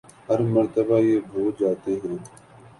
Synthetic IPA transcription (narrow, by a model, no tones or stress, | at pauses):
ɦəɾməɾt̪əbaːjeːbʱoːd͡ʒaːt̪eːɦẽː